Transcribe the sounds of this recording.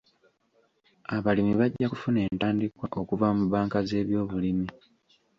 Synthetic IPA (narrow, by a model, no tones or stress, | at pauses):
aβalimiβaɟːaku̥fune̞ːntaːndikwaʔo̞kuvamuβaːŋkaze̞ːβjo̞ːβulimi